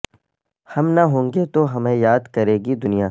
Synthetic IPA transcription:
hɐmnɐɦõːŋɡet̪oɦɐmẽjaːd̪kɐɾeːɡid̪ʊnijaː

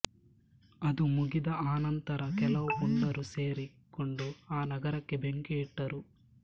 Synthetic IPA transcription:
ɐd̪umuɡid̪ɐaːnɐnt̪ɐɾɐkɛlɐwɡuɳɖɐɾuse̞ːɾikːoɳɖuaːnɐɡɐɾɐkːebeŋkeːʈːɐɾu

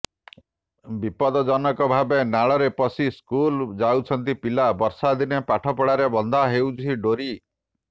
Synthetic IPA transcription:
bipɔd̪ɔd͡ʒɔnɔkɔbʱabenaɭɔɾepɔsiskuld͡ʒawt͡ʃʰɔnt̪̬ipilabɔɾsad̪inepaʈʰɔpɔɽaɾebɔnd̪ʱaɦewt͡ʃʰiɖoɾi

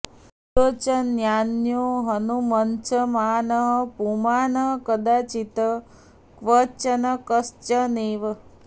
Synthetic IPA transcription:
ot͡ʃənjaːnjoːɦənumənt͡ʃʰəmaːnəɦəpumaːnəɦkəd̪aːt͡ʃit̪ə | kʋət͡ʃənɐkəst͡ʃəneːʋə

